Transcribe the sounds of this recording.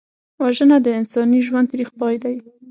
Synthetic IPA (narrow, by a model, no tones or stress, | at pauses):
waʒənad̪əɪnsɑniʒwand̪ɾixpɑjd̪aji